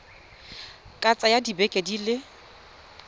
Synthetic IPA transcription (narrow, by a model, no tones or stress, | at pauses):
kʼat͡sʼajadibɛkʼedilɪ